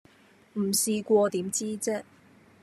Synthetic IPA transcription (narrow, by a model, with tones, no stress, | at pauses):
m̩˨˩siː˧kʷɔː˧t̪iː˨˥mt͡siː˥t͡sɛː˥